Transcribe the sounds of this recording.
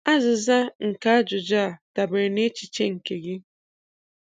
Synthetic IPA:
a˦zɪ˨za˦ŋ̩˨ka˦a˦d͡ʒʊ˨d͡ʒa˦˨d̥a˨be˨ɾɪ˨ne˦t͡ʃi˨t͡ʃe˦ŋ̩˨ke˨ɡɪ˦

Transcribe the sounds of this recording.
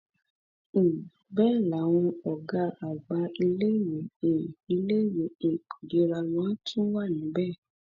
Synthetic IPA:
ĩ˨ | bɛ˦˨la˨˦w̃ɔ̃˧ɔ˨ɡa˧a˨ɡ͡ba˧i˧le˦je˨˦ĩ˨i˧le˦˨je˨˦ĩ˨kʰu˨de˧˦ɾa˧lã˨˦tʰũ˦wa˦˨nĩ˨˦bɛ˦˨

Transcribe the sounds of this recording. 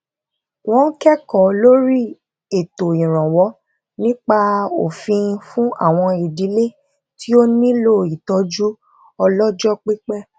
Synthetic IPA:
w̃ɔ̃˦kɛ˦kɔ˨lo˦ɾi˦ | e˨to˨ĩ˨ɾ̃ã˨wɔ˨˦ | nĩ˦k͡pa˧o˨fĩ˧fũ˦a̰˦˨w̃ɔ̃˧i˨di˨˦le˦ | ti˦o˦nĩ˦lo˦˨i˨tɔ˧d͡ʒu˦ | ɔ˧lɔ˦d͡ʒɔ˦k͡pi˦k͡pɛ˦˨

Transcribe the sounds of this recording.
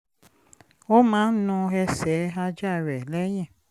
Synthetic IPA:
o˦mãː˦n̩˦nũ˧ɛ˧sɛ˨˦a˧d͡ʒa˦˨ɾɛ˨lɛ˦j̃ɛ̃˦˨

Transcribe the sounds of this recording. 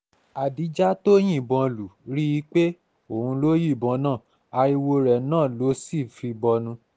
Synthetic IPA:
a˨di˨˦d͡ʒa˦to˦j̃ĩ˦˨bɔ̃˧lu˨ɾi˦i˦k͡pe˦ | o˨hũ˧lo˦ji˦˨bɔ̃˧nãː˦˨ | a˧i˧wo˧ɾɛ˨nãː˦˨lo˨˦si˦˨fi˧bɔ˧nũ˧

